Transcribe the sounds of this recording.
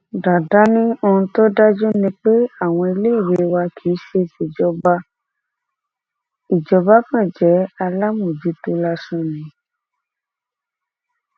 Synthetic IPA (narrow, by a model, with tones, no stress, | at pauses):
da˨da˨˦nĩ˦o˧ũ˧to˦da˦d͡ʒu˦nĩ˧k͡pe˦a˦˨w̃ɔ̃˧e˧le˦i˦˨ɾe˧˦˧wa˧kʰi˨˦ʃe˧si˨d͡ʒɔ˧˦ba˧˦ | i˨d͡ʒɔ˨˧ba˦kã˦˨d͡ʒɛ˨˦a˧la˦mũ˦˨d͡ʒi˨˦to˦la˧sũ˦˨nĩ˨˦